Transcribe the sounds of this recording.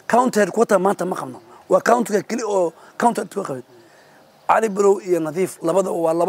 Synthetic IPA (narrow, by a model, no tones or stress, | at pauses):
kʰawnt̪ʰɛdkʰʊɐt̪ʰamaːnt̪ʰɐmɐqɑbnɔ | wɑːkawnt̪ʰkʰɐkʰɛliɔː | kʰawnt̪ʰɛɾt̪ʰkʰɐqɑβɪn | ʕɑlɪbɪɾɔwijɔnɐðiːflɐβɐðɐwɑːlɐ